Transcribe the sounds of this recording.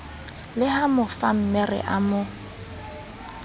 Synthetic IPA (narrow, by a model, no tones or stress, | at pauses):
lɪhamʊfam̩mɛrɪ̰ʔamʊ